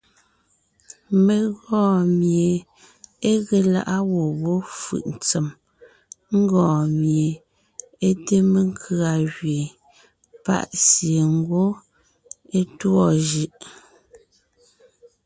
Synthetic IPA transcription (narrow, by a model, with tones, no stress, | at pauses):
me˨ɣɔ̃ː˦˨mje˨ | e˦ɣe˨la̰˨ʔa˦wo˨wo˦fɯ̰˨ʔn̩˨t͡sɛ˨m | ŋ̩˦ɡɔ̃ː˨mje˨ | e˦te˦me˦ŋ̩kʰɰa˨ɣɥe˨ | pa̰˦˨ʔsje˨ŋ˦ɡwo˦ | e˦twɔ˦˨ʒɯ˦ʔ